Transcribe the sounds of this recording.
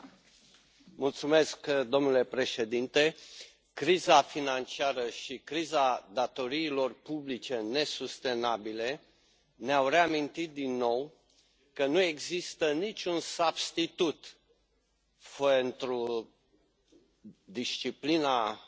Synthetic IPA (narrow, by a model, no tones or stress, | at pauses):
mult̪sume̞skd̪o̞mnule̞pɾe̞ʃe̞d̪int̪e̞ | kɾizafinant͡ʃiaɾəʃikɾizad̪at̪o̞ɾiːlo̞rpublit͡ʃe̞ne̞sust̪e̞nabile̞ | neawre̞amint̪it̪̚d̪inːo̞w | kənue̞ɡzist̪ənit͡ʃʲunsabst̪it̪ut̪ | fent̪ɾu | d̪iʃt͡ʃiplina